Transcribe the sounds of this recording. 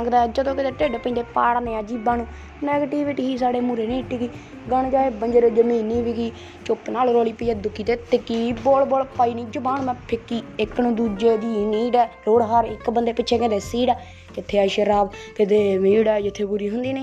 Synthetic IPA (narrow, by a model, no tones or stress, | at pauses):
əŋɡd̪aːd͡ʒəd̪õːkɪt̪eːʈeːɖeːpə̃nd̪eːpaːɽneːaːd͡ʒiːbãːnũː | nɛːɡəʈiːʋɪʈiːɦiːs̬aːɽeːmuːɾeːnĩːʈʰikiː | ɡənd͡ʒaːeːbənd͡ʒəɾd͡ʒəmĩːniːʋikiː | t͡ʃʊpnaːlɾoːliːpəiːjɛːd̪ʊkʰːiːt̪eːt̪ɪkːiːboːlboːlpaːiːnĩːd͡ʒʊbaːnmɛ̃ːpʰɪkːiːɪkːnũːd̪uːd͡ʒeːd̪iːniːɖɛːɾoːɽɦaːɾɪkːbənd̪eːpɪt͡ʃːt͡ʃʰeːkẽd̪eːsiːɖɛː | kɪt̪ʰːeːəʃəɾaːbkɪd̪eːmiːɽɛːd͡ʒɪt̪ʰːeːbuːɾiːɦʊnd̪iːneː